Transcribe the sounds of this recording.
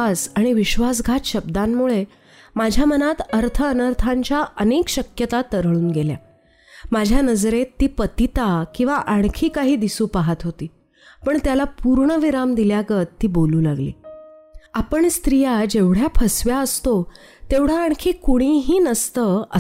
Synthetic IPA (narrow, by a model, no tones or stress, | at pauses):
saɽ̃iʋiɕʋas̬ɡʱat̪ɕəbd̪amːuɭe | mad͡ʑʱjamənat̪əɾt̪ʰəənəɾt̪ʰaɲt͡ɕjaʔənekɕəkjət̪at̪əɾɭuːnɡelja̰ | mad͡ʑʱjanəd͡zɾet̪ːiːpət̪it̪akĩw̃ʋaʔaɳ̃kʰiːkaɦiːd̪isuːpaɦat̪ɦot̪iː | pəɳt̪jalapuɾɳəʋiɾamd̪iljaɡət̪ːiːboluːlaɡlḭː | apəɳst̪ɾijad͡ʑeʋɽjapʰəsʋjaəst̪o | t̪eʋɽ̤jaːɳ̃kʰiːkuɽ̃iɦiːnəst̪əə